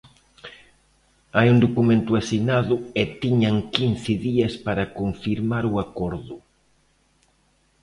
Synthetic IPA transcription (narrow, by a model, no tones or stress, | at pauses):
ajuŋd̪okumẽnt̪ʊasinaðʊɛt̪iɲaŋkin̟θɪðiɐspaɾɐkoɱfiɾmaɾuakɔɾðʊ